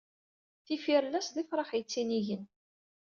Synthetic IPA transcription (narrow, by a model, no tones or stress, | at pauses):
θifiɾlːæsðifɾˤɑχjt͡sːiniʝən